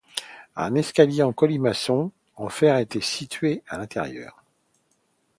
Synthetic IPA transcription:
ɛ̰̃nɛskaljeɑ̃kɔlimasɔ̃ | ɑ̃fɛʁaet̪esit̪ɥealɛ̃t̪ʰɛ̰ʁjœ̰ːʁ

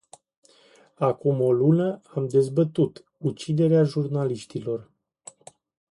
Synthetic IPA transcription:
akumo̞lunəamd̪e̞zbət̪ut̪ | ut͡ʃid̪e̞ɾeaʒurnaliʃt̪ilo̞r

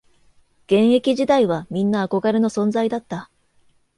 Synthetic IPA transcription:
ɡ̥ẽ̞ɰ̃e̞kʲiʑid̪aiβamʲĩnːaːko̞ɡaɾe̞no̞sõ̞nzaid̪at̪ːa

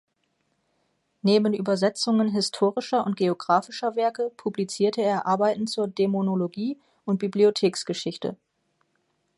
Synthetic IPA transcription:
neːbənʔyːbɐzɛt͡sʊŋənɦɪstʰoːʁɪʃɐʔʊnt̚ɡ̥eoɡʁaːfɪʃɐvɛɐkəpʰublit͡siːɐtʰəeːɐʔaɐbaɪtn̩t͡suːɐdemonoloɡiː | ʔʊnt̚b̥ibliotʰeːksɡ̥əʃɪçtʰə̰

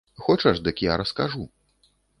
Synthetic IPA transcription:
xɔt͡ʂɐʐd̪ɨkjaɾɐskaʐu

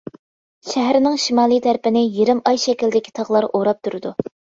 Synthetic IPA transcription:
ʃæɦæɾnɪŋʃimɑːlˠijt̪ʰæɾpɪnɪjiɾɪmɑjʃɛkʲilʲd̪ɪkʲʰi̥t̪ʰɑʁlˠɑɾʔoɾɑp̚t̪ʰuɾɨd̪u

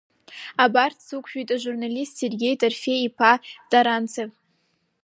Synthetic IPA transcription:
abartʰsɨkʷʰʃᶣujtʼaʒurnalistserɡʲejtʰʼarfejipʰadaɾant͡sʰev

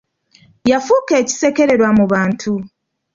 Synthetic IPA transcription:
jafuke̞ːci̥se̞ke̞ɾe̞ɾwamuβaːntʰu

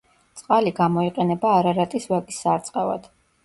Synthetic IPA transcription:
t̪sʼqʼaliɡamɔiqʼɛnɛbaːɾaɾat̪ʼisvakʼisːaɾt̪sʼqʼɛva̰d̪̥

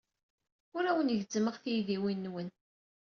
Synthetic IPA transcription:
ʊɾæwənʝzəməʁθijðiwinːwən

